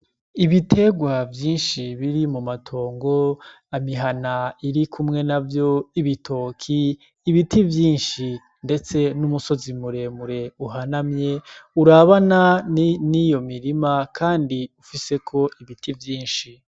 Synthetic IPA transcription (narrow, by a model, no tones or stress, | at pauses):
iβitʰe̞ɡwavjiːnʃiβiɾimumatʰo̞ːŋɡo̞ | amiɦanaiɾikʰumŋe̞navjo̞iβitʰo̞ːkʰiː | βitivjiːnʃi | nde̞t͡se̞numuso̞zimuɾe̞muɾe̞uɦanamɲe̞uɾaβananijo̞miɾimakʰaːndiufise̞kʰo̞iβitʰivjiːnʃi